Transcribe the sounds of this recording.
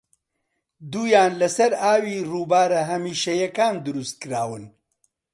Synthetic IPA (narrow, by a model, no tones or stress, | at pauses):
d̪uːjaːnlɐsɐɾaːwiruːbaːɾɐɦɐmiːʃɐjɐkaːnd̪ɨɾust̪̚kɨɾaːwɨn